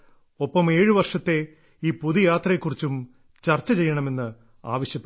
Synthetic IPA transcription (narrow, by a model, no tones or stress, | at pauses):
o̞pːɐme̞ːɻɨʋɐrʂɐt̪ːe̞ | iːpuðijaːt̪rɐjekːurit͡ɕːum | t͡ɕɐrt͡ɕːɐt͡ɕe̞jːɐɳɐme̞nːɨ | a̰ːʋɐɕjɐpːe